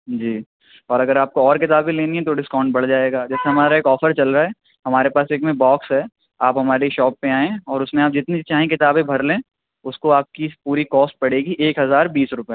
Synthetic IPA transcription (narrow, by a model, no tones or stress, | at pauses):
d͡ʒiː | ɔːɾɐɡəɾaːp̚koɔːɾkɪt̪aːbẽleːniɦɛ̃t̪oɖɪskãːʊ̃ɳɖ̚bɐɽd͡ʒaːeːɡaːd͡ʒɛːseɦɐmaːɾaeːkɔːfəɾt͡ʃɐlɾaːɛː | ɦɐmaːɾepaːseːkmẽbɔːksɦɛː | aːpɦɐmaːɾeʃɔːpːẽaːẽɔːɾʊsmẽaːp̚d͡ʒɪt̪nit͡ʃaːɦẽk̬ɪt̪aːbẽbʱɐɾlẽː | ʊskoaːp̚kipuːɾikɔːsʈ̚pɐɽ̤eːɡiʔeːkɦɐzaːɾbiːsɾʊpja